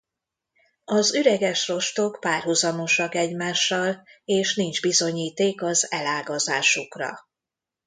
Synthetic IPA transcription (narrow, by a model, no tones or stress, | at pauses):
ɒzyɾɛɡɛʃro̞ʃt̪o̞kpaːrɦuzɒmo̞ʃɒkɛɟmaːʃːɒleːʃnind͡ʒbizo̞ɲiːt̪eːkɒzɛlaːɡɒzaːʃukrɒ̰